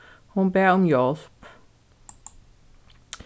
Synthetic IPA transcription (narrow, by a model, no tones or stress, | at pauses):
hʊnbeːɔmjɔlp